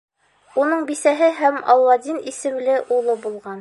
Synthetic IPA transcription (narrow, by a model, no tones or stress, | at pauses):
unɤɴbisæɦɘɦæmɑ̰llːɑd̪ʲinisɘ̆mlɘʔulˠɤbulˠʁɑn